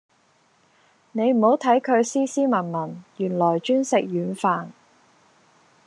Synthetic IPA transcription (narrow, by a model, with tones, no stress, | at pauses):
ne˨˧jm̩˨˩ho˨˥wt̪ʰɐ˨˥jkʰɵ˨˧ɥsiː˥siː˥mɐ˨˩nmɐ˨˩njyː˨˩nlɔː˨˩jt͡ʃyː˥nsɪ˨k̚jyː˨˧˥nfaː˨n